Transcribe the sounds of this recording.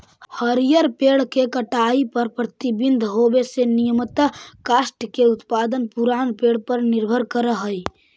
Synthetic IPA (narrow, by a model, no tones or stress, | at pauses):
həɾijəɾpeːɽ̤kekəʈaːipəɾpɾət̪ibɪnd̪ʱɦoːbesenijəmət̪kaːsʈkeʊt̪paːd̪ənpuɾaːnpeːɽ̤pəɾnɪɾbʱəɾkəɾəɦəi